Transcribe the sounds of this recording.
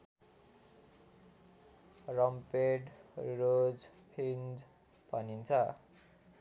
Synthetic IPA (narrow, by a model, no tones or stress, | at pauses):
rʌmpeɖrod͡zpʰind͡z | bʱʌnint͡sʰʌ